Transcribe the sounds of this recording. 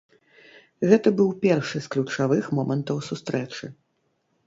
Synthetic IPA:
ɣɛt̪ɐbɨwpʲɛrʂɨsklʲut͡ʂavɨxmɔmɐnt̪ɐwsust̪ɾɛt͡ʂɨ

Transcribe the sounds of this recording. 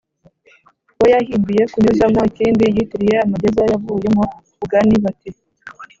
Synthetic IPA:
wojahiːmbijekuɲuzamociːnbijitiɾijeamaɟezajavuːjemo | uɡaniβate

